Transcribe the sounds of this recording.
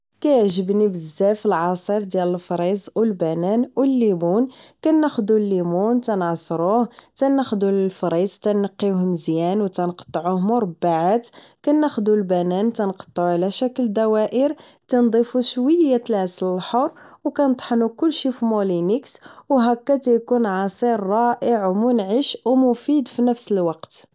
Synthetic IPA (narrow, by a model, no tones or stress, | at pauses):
kæjəʕʒəbnibəzːæfəlʕɑsˤəɾˤd̪jæləlfɾˤizˤwəlbænænwəlːimunkænːæxd̪ulːimunt̪ænʕsˤɾuht̪ænːæxd̪ulfɾizˤt̪ænəqːihnəzjænwt̪ænqt̪ˤːʕuhmʊɾˤɑbːaʕat̪kænːæxd̪ulbænænt̪ænqɑ̥t̪ˤːʕuʕlæʃækəld̪æwæʔəɾt̪ænd̪ˤifuʃwəjːat̪əlhæsələlħoɾˤwkænt̪ˤħnukʊlːʃifimolinikswɦækːæt̪æjkunʕɑsˤiɾˤːɑʔəʕwmʊnʕəʃwmʊfid̪finəfsəlwɑqt̪